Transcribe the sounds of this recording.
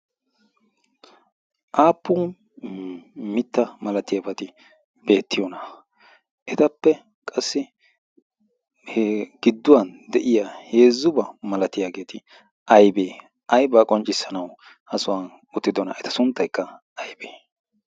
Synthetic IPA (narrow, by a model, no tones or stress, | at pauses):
ʔaːpːuː | mɪt̪ːɐmɐlɐt̪ɪjɐbɐt̪ɪ | b̥e̞ːt̪ːɪjɔnɐ | ʔɛt̪ɐpːɛ | kʼɐsːɪ | hɡ̥ɪd̪ːʊwɐnd̪ɛʔɪjaːhe̞ːzːʊbɐmɐlɐt̪ɪjaːɡe̞ːt̪ʰɪ | ʔɐjbeː | ʔɐjbaːkʼɔnt͡ʃʼːɪsːɐnɐw | ʔɐsʊwɐn | ʊt̪ːɪd̪ɔnɐ̰ɛt̪ɐ̥sʊnt̪ːɐjkːɐ | ɐjbeː